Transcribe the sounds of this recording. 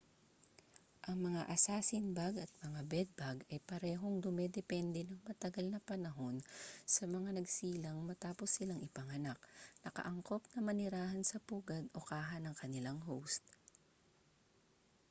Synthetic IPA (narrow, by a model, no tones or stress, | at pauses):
ʔɐŋmɐŋaʔɐsaːsɪnbaɡɐt̪̚mɐŋabɛd̪̚baɡɐjpɐɾɛːɦo̞ŋd̪ʊmɛd̪ɛpɛnd̪ɛnɐŋmɐt̪ɐɡalnɐpɐnɐɦo̞nsɐmɐŋanɐɡsiːlɐŋmɐt̪aːpo̞sɪlaŋɪpɐŋɐnak̚nɐkɐ̰ʔɐŋko̞p̚nɐmɐnɪɾaːhɐnsɐpuːɡɐd̪ʔo̞kaːɦɐnɐŋkɐnɪlaŋɦowst̪̚